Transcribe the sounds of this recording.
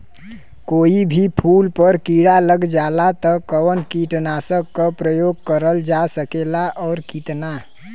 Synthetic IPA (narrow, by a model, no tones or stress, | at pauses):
koːibʱipʰulpəɾkiɽaləɡd͡ʒalat̪əkəwənkiʈnasəkːəpɾəjoɡ̚kəɾəld͡ʒasəkelaʔɔːɾkit̪na